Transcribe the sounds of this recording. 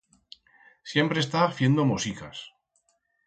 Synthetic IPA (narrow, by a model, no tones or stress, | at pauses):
sje̞mpɾe̞st̪aθje̞nd̪omosikas